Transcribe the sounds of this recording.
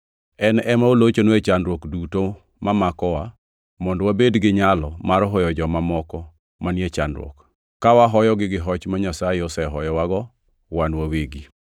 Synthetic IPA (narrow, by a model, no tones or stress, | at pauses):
ɛnɛmaolot͡ʃonwet͡ʃandɾwokduto | mamakɔwa | mɔndwabedɡɪɲalɔmaɾɦɔjɔd͡ʒɔmamɔkɔ | manjet͡ʃandɾwɔ̰k | kːawaɦɔjɔɡɪɡɪɦɔt͡ʃmaɲasajeɔsɛɦɔjɔwaɡɔ | wanwaweɡi